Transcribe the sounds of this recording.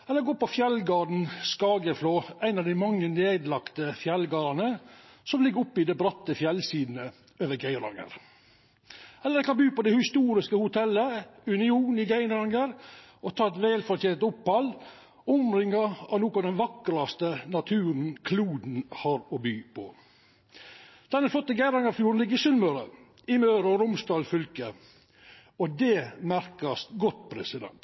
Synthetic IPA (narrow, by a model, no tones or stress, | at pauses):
ɛlːəɾɡoːpɔfjɛlɡɑːɖɳ̩skɑːɡəfloːʔæɪnɑʋd̪æɪmɑŋːəneːd̪lɑkt̪əfjɛlɡɑːɾɑnə | sɔmlɪɡːɾʊpːɪd̪ɛbɾɑt̪ːəfjɛlsiːd̪n̩ə | øːʋəɡæɪnɾɑ̰ŋə̰ɾ | ɛlːəɾɛkɑnbyːpɔd̪ɛhɪst̪uːɾɪskəhʊt̪ʰɛlːəʉnɪuːnɪɡæɪnɾɑŋəɾ | ɔt̪ʰɑːɛt̪ʋɛːlfɔɾt̪ʰjeːnt̪ʊphɑlː | ʊmɾɪŋːɑɑ̰ʋnuːkɑd̪ɛnʋɑkːəɾɑst̪ənɑt̪ʰʉːɾən̩kʰluːd̪n̩hɑɾɔbyːpʰɔ̰ | d̪̥ɛnːəflɔt̪ːəɡæɪnɾɑŋəɾfjuːɾənlɪɡːəɾɪsʉnmœɾə̰ | ɪmøːɾəɔɾʊmsd̪ɑːlfʏlkə | ɔd̪ɛmæɾkɑsɡɔt̪pʰɾɛsɪd̪ɛ̰nt̪